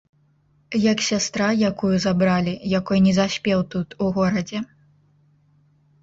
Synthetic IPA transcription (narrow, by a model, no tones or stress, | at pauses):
jɐksʲast̪ɾajakujuzabɾalʲijakɔjnʲɛzasʲpʲɛwt̪ut̪uɣɔɾɐd͡zʲɛ